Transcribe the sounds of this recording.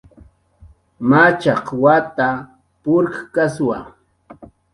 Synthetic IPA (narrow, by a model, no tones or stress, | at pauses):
mat͡ʃɑqwat̪a | pʊɾkkaswa